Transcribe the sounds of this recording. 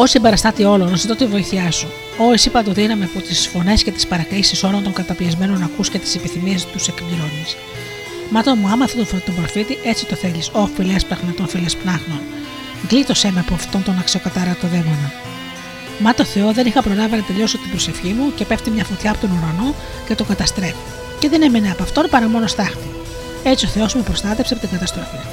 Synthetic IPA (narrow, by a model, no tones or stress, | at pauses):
osimbe̞ɾɐst̪ɐt̪io̞lonosit̪ot̪ivo̞iθiɐsu | oisipɐt̪oðinɐmepot̪isfo̞ne̞sce̞t̪i̥spɐɾɐkɾisiso̞lont̪o̞ŋɡɐt̪ɐpiɐzmeno̞nɐkuscet̪i̥sipiθimiest̪use̞kmilonis | mɐt̪omuɐmɐθɐt̪ofoɾit̪ombɾofit̪iʔe̞t͡si̥t̪o̞θe̞ʎisoɐfileɐspɾɐɣnɐt̪o̞nfilespnɐxno̞n | ɡlit̪o̞se̞meɐpoft̪o̞nt̪o̞nɐksio̞kɐt̪ɐɾɐt̪oðe̞vonɐ | mɐt̪oθe̞o̞ðe̞nixɐpɾolɐvɐnɐt̪eʎo̞sot̪ibɾose̞fçimuce̞pe̞ft̪imɲɐfot̪çɐːpot̪o̞nuɾɐno̞ | cet̪o̞ɡɐt̪ɐst̪ɾe̞fi̥ | ce̞ðe̞ne̞me̞neɐpɐft̪o̞npɐɾɐmo̞nost̪ɐxni | e̞t͡sioθe̞o̞sumepɾo̞st̪ɐt̪efsiɐpot̪iŋɡɐt̪ɐst̪ɾofi